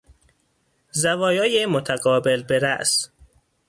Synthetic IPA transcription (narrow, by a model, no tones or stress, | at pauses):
zævɒːjɒːjemot̪ʰæɡɒːbelbeɾæʔs